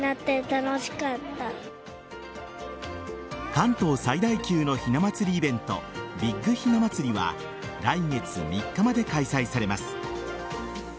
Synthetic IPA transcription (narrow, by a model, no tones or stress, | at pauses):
nat̪ːet̪anoɕi̥kat̪ːa | kãnt̪o̞ːsaid̪aikʲɨːno̞çinamat͡sɨɾʲiːbẽ̞nt̪o̞̰bʲiɡːɯ̟çinamat͡sɨɾʲiβa̰ | ɾaiŋe̞t͡sɨmʲikːamad̪e̞kaisaisaɾe̞masɨ̥